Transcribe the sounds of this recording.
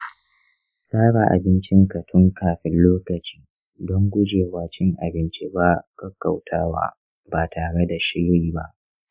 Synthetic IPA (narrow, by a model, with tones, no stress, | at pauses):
sʼaː˦ɽa˨ʔa̰˨bɪ˦nt͡ʃɪ˦ŋka˨tʰʊ˦ŋkaː˨ɸɪ˦nloː˦kɐ˨t͡ʃi̥ː˦ | dɔ˦ŋɡʷʊ˦d͡ʒeː˨waː˨t͡ʃɪ˦ŋʔa̰˨bɪ˦nt͡ʃi˦baː˦kɐ˦kːa˨wtʰaː˦wa̰ː˦ | baː˨tʰaː˨ɽe˦da˨ʃi˦ɽiː˦ba˦ʔ